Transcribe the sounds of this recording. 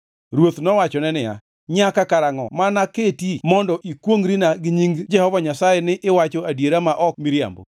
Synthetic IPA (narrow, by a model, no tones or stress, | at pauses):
ɾwot̪nɔwat͡ʃɔnɛnɪja̰ | ɲakakaɾaŋɔ̰manaketimɔndɔʔikwoŋɾinaɡɪɲiŋɡd͡ʒɛhɔvaɲasajɛnɪʔɪwat͡ʃoadjeɾamaʔɔkmiɾja̰mbo̰